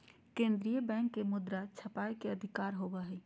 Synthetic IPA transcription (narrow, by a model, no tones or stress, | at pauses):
kẽnd̪ɾijəbɛ̃ŋkːemud̪ɾat͡ʃʰəpaekeəd̪ʱikaɾɦobɛɦɛ